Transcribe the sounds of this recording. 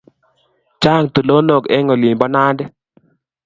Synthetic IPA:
t͡ʃa˦˨ŋt̪u˨lo˦no˦˨kɛ̰˦ŋɔ˨li˨mbɔ˦na˦ndɛ˦

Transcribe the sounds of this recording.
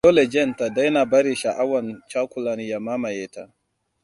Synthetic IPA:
ɔ˦lɛ˨d͡ʒɛ˦nta˨da˦jna˨ba˦ɾi˨ʃa˨ʔa˦wa˨nt͡ʃa˦kʷu˦˨la˨ni˨ja˨ma˦ma˨jɛ˨ta̰˨

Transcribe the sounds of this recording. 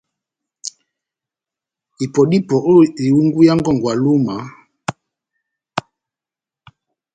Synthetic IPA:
i˨pɔ˨di˦pɔ˨ʔo˦˨i˨u˦ŋɡu˦ja˦ŋɡɔ˦˨ŋɡwa˨lu˦ma˨˦

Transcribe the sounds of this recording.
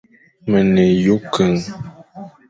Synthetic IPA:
mə˨ne˨ju˦kʰə˨ŋ

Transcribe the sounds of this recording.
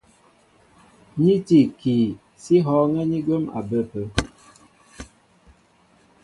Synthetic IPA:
ɲi˦ti˨ki˨ | si˦ɦɔ˦ŋɛ˦ɲi˦ɡə˦ma̰˨bə˦pə˦

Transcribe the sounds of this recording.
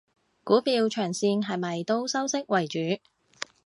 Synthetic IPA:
kuː˨˥piː˧wt͡ʃʰœː˨˩ŋsiː˧nɦɐ˨jmɐ˨jt̪o˥wsɐ˥wsɪ˥k̚wɐ˨˩jt͡ʃyː˨˥

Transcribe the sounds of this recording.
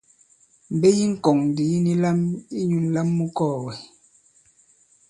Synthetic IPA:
m̩˨be˦ji˦ŋ̩˦kɔ˨ŋn˨di˨˦ni˦la˦mi˦ɲu˨n˦la˦mːu˦kɔː˦˨wɛ˨

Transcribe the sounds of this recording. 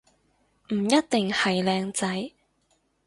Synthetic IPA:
m̩˨˩jɐ˥t̚t̪ɪ˨ŋhɐ˨jlɛː˧ŋt͡sɐ˨˥j

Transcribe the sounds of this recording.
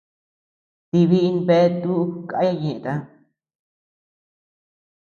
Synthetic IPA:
t̪i˧βi˦i˧nbe˦e˦t̪u˦ka˧˦a˦˧ɲẽ˨ʔẽ˧t̪a˧

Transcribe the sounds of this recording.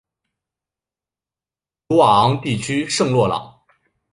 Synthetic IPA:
tu˧˥a˨˩ɑ˧˥ŋt̪i˥˩t͡ɕʰy˥ʂɤ˥˧ŋlwɔ˥˩lɑ̰˨˩˦ŋ

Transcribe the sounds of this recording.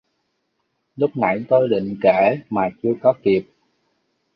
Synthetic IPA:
lʊ˦˥k͡p̚na̰˧˩jt̪o˧jɗḭ̈˧˨ŋ̟kɛː˧˩˦maː˨˩t͡ɕɨ˧əkɔ˨˦ki˨˩əp̚

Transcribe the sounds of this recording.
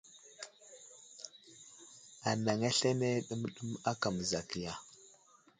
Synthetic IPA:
a˨na˨ŋa˦ɬa˦ne˦ɗu˦m˦ɗu˦ma˦ka˨m˨za˨ki˨ja˨

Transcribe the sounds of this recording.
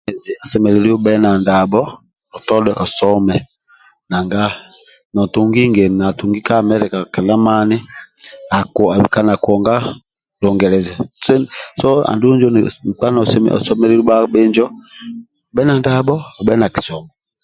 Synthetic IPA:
zɛ˨a˨sɛ˨mɛ˨le˨li˦ɔ˦bɛ˦na˨nda˨bɔ˦ | ɔ˨tɔ˦lɛ˦˨ʔɔ˨sɔ˦mɛ˨ | na˨ŋɡa˦nɔ˨tu˨ŋɡi˦ŋɡe˨na˨tu˨ŋɡi˦ka˦˨mɛ˦ɾɛ˨ka˨kɛ˨la˦ma˦ni˦a˨kɔ˨a˨bi˨ka˦na˨kɔ˨ŋɡa˦ | lɔ˨ŋɡɛ˨lɛ˨za˨ssɔ˦a̰˨ndu˦nd͡ʒɔ˦n̩˨k͡pa˦n˨ɔ˨sɛ˦mɛ̰˨ʔɔ̰˨sɔ˦mɛ˦ɾe˦ɾi˦ɓa˦bɛ˦nd͡ʒɔ˦˨ | bɛ˦na˨nda˨bɔ˦ɔ˨bɛ˦na˨ki̥˨sɔ˨mɔ˨

